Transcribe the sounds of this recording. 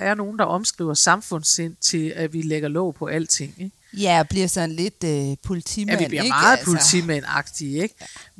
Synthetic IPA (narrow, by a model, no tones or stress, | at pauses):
æɐno̝ːn̩d̥ɑ̈ʔɒ̽msɡ̥ʁḭʊ̰ɐsɑ̈mfɔ̽n̰se̝n̰t͡sʰe̝læʋileɡ̥ɐlɔ̽ʊ̰pʰɒ̽ʔæl̰t͡sʰe̝ŋ̰eɡ̥ | jæɒ̽b̥liɐsɒ̽nle̝d̥øpʰolit͡sʰimʋin̰bliɐeɡmɑ̥̈ːð̩pʰolt͡sʰḭmænɑ̈ɡ̥d̥ieɡ̥